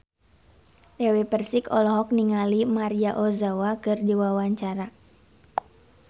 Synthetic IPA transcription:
dɛwepərsikɔlɔɦɔk̚niŋalimaɾiaʔɔzawakɨrdiwawaɲt͡ʃaɾa

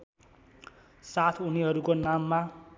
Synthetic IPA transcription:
sat̪ʰuniɦʌɾukonamːa

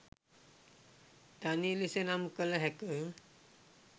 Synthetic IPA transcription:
t̪anilisenamkələɦɛkə

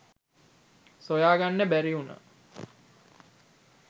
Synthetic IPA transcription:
sojaːɡanːəbæɾiunə̰

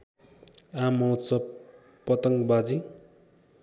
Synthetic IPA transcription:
ãmʌwt̪t͡sʌ | pːʌt̪ʌŋɡbad͡zi

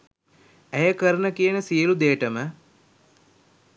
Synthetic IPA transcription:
æjəkəɾənəkijənəsijəlud̪eːəʈəmə

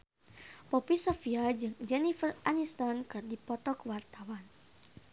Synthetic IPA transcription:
pɔpisofiad͡ʒɨŋd͡ʒɛnifəranist̪ɔnkɨrdipɔt̪ɔkwart̪awan

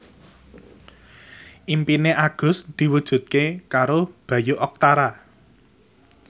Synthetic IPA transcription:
ʔimpineʔaɡ̥ʊ̤sd̪̥i̤wud̥ʒ̥ṳt̪̚kekaɾob̥ä̤juʔɔk̚t̪aɾa

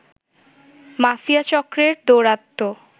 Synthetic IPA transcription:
mafiat͡ɕɔkːɾeɾd̪oɾat̪ːo

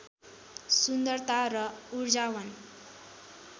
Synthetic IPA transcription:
sund̪ʌrt̪aɾʌuɾd͡zawʌn

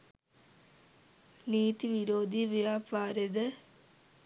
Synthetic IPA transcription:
niːt̪iʋiɾoːd̪ʱiʋijaːpaːɾed̪ə

